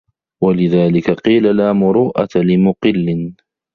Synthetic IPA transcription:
walɪðaːlɪkaqiːlalaːmʊɾuːʔa̰lɪmʊqɪlːɪn

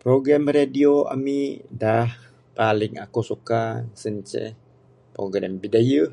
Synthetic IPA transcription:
pɾoɡɾamradioa̰midah | palɪŋakusukasəɲt͡ʃɛ̰ | pɾoɡɾa̰mbidajə

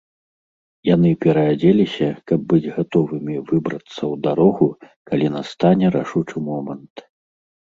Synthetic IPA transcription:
janɨpʲɛɾɐad͡zʲelʲisʲɐkɐb̚ːɨd͡zʲɣat̪ɔvɨmʲivɨbɾɐt̪sːɐwd̪aɾɔɣu | kalʲinast̪anʲɛɾaʂut͡ʂɨmɔmɐnt̪

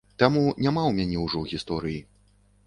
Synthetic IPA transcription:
t̪amunʲamawmʲanʲɛwʐɔwɣʲist̪ɔɾɨji

